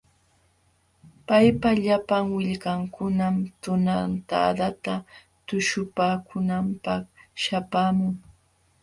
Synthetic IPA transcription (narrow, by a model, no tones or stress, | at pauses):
pajpaʎapaŋwɪʎɢaŋkʊnamt̪ʊnant̪a̰ːd̪at̪a | t̪ʊʃʊpaːkʊnampɑχʃapaːmʊŋ